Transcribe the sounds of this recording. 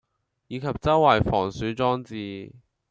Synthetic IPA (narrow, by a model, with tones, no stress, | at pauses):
jiː˨˧kʰɐ˨p̚t͡sɐ˥wwɐ˨jfɔː˨˩ŋsyː˨˥t͡sɔː˥ŋt͡siː˨˧